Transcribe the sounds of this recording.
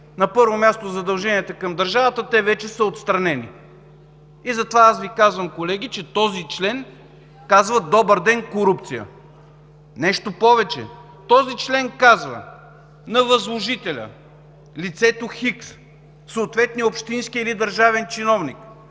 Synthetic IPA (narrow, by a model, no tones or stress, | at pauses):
nɐpɤɾvomʲjast̪ozɐd̪ɐlˠʒɛniɛt̪əkɐmd̪ɐɾʒavət̪ət̪ɛvɛt͡ʃɛsəot̪st̪ɾɐnɛnḭ | izɐt̪ovaasvikazvəmkolɛɡ̟it͡ʃɛt̪ɔzit͡ʃlɛn | kazvəd̪ɔbəɾd̪ɛnkoɾup̚t̪sijə̰ | nɛʃt̪opɔvɛt͡ʃɛ̰ | t̪ɔzit͡ʃlɛnkazvə̰ | nɐvɐzlˠoʒit̪ɛlʲə̰ | lit̪sɛt̪oxiks | soːt̪vɛt̪̚niopʃt̪inskiilid̪ɐɾʒavɛnt͡ʃinɔvnik